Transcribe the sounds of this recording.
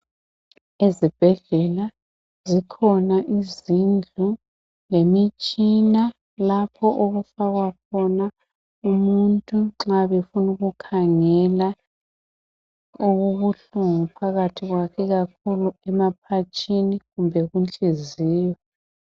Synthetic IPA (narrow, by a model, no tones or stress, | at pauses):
ezib̥ʱɛɮɛla | zikʰɔnaʔizind͡ɮʱu | ŋemit͡ʃʼina | lapʰɔʔoɣufaɣwakʰɔna | umuntʼuǁaβefunuɣukʰaŋɛla | oɣuβuɬuŋupʰaɣatʰiɣwakʰɛɣakʰuluɛmapʰat͡ʃʼʰiniɣumbʱɛɣunt͡ɬʼiziːjɔ